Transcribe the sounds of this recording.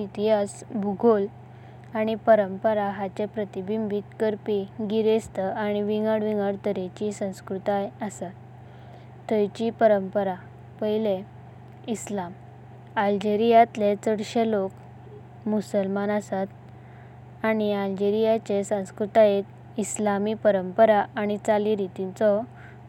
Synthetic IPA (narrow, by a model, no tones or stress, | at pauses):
it̪iɦasbʱuɡʱol | aɽ̃ipəɾəmpəɾaɦat͡ɕepɾət̪ibimbit̪kəɾpiɡiɾest̪əaɽ̃iʋiŋɡəɽʋiŋɡəɽt̪əɾet͡ɕisə̃w̃skɾut̪ajəsat̪ː | əjt͡ɕipəɾəmpəɾa | pəile | islam | ald͡ʑeɾijat̪let͡səɽɕelok | musəlmanasat̪ | aɽ̃iald͡ʑeɾijat͡ɕesə̃w̃skɾut̪ajet̪ | islamipəɾəmpəɾaʔaɽ̃it͡saliɾit̪it͡sɔ